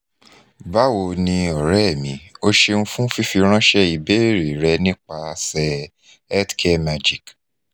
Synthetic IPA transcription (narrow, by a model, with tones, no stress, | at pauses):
ba˦wo˧nĩ˧ɔ˨ɾɛ˦˨mḭ̃˨˦o˦ʃe˧nũ˦fũ˦fi˦fi˧ɾ̃ã˦ʃɛ˦i˨be˦˨ɾe˨ɾɛ˧nĩ˦k͡pa˧sɛ˧ | ɛ˦tkʰe˦ma˧d͡ʒi˨k